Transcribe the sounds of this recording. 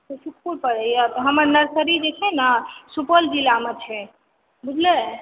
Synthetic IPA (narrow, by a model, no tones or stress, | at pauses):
sesukʰpuɾpəɾɛt̪ɦəməɾnəɾsəɾid͡ʒet͡ʃʰɛnasupəld͡ʒilamet͡ʃʰɛ | bud͡ʒʱle